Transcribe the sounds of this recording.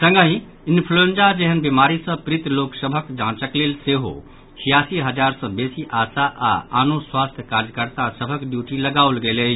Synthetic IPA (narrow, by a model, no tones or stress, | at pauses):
sə̃ŋɡəɦĩ | inpʰluend͡ʒad͡ʒeɦənbemaɾisə̃pɾit̪loksəbʱəkd͡ʒãt͡ʃəklelseɦo̰ | t͡ʃʰijasiɦəd͡ʒaɾsə̃besiʔasaʔa̰anoswast̪ʰjəkaɾjəkəɾt̪asəbʱəkɖjuʈiləɡaulɡele